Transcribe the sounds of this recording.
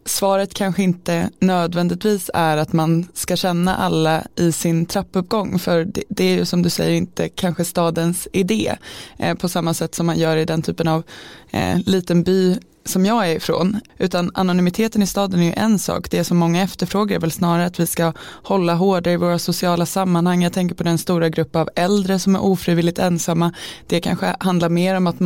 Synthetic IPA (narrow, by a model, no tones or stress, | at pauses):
svɑːɾət̪kʰanɧəɪnt̪ənøːd̪vɛnd̪ɪt̪viːsæɾat̪manskaɕɛnːa̰ʔa̰lːaʔɪsɪnt̪ʰɾapːɵpɡɔŋːfœɾd̪ɛæɾjɵsɔmd̪ɵsɛ̰jːəɾɪnt̪əkʰanɧəst̪ɑːd̪ənsɪd̪ḛːpʰɔsamːasɛt̪ːsɔmːanjœːɾɪd̪ɛnt̪ʰy̰ːpənav | liːt̪ənbyː | sɔmjɑːæɾɪfɾo̰ːnʉ̟ːt̪ana̰nʊnʏmɪt̪ʰeːt̪ənɪst̪ɑːd̪ənæjɵ̰ʔɛnsɑ̰ːkd̪̥ɛːʂɔmːɔŋːaɛft̪əɾfɾoːɡaɾæɾvɛlsnɑːɾaɾəat̪vɪskahɔlːaɦoːɖaɪvoːɾasʊsɪɑːlasamːanhaŋːjaːt̪ʰɛŋk̬əɾpɔd̪ɛnst̪uːɾaɡɾɵpːəavɛld̪ɾəsɔmæ̰ɾʔuːfɾiːvɪlːɪt̪ɛnsamːad̪̥ɛkʰa̰nɧə̰hand̪laɾmeːɾɔmat̪